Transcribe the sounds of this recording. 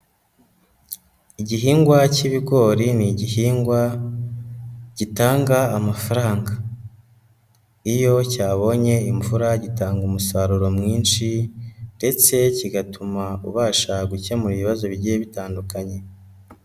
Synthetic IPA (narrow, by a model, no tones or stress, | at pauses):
iɟiɦiːŋɡwaciβiɡo̞ːɾiniɟihiːŋɡwa | ɟ̥itaːŋɡaːmafaɾaːŋɡa | ijo̞caːβo̞ɲe̞iɱvuɾaɟitaːŋɡumusaɾuɾo̞mŋiːnʃinde̞t͡se̞ciɡatʰumaṵβaːʃaɡuce̞muɾiβiβazo̞βiɟijeβitaːndukaɲe̞